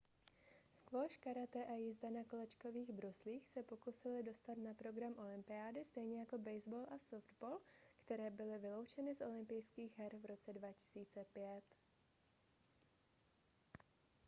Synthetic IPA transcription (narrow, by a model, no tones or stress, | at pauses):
skloʃkaɾat̪ɛʔajizdanako̞lɛt͡ʃko̞viːɣbɾusliːxsɛpo̞kusɪlɪdo̞st̪at̪napɾo̞ɡɾamʔo̞lɪmpɪaːdɪst̪ɛjɲɛjako̞bɛjzboːlʔasofd̪boːlkt̪ɛɾɛːbɪlɪvɪlo̞wt͡ʃɛnɪsʔo̞lɪmpɪjskiːɣɦɛɾvɾo̞t͡sɛdvacɪ̥siːt͡sɛpjɛt̪